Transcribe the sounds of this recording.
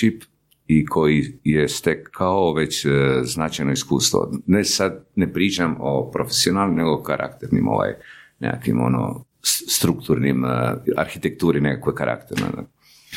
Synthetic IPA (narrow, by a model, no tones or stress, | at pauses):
t͡ʃip | ikʰo̞jijest̪ekʰːaoʋe̞t͡ɕznat͡ʃajnoiskṵːst̪ʋo̰nesad̪nepɾiːt͡ʃamo̰pɾofesionalnimneɡokaɾʔa̰kt̪eɾnḭmo̰ʋa̰jnḛakʋḭmo̞̰no̰ | st̪ɾukt̪uɾnima̰ɾxit̪ek̚t̪uːɾinekakojkaɾa̰kt̪eɾna̰d̪a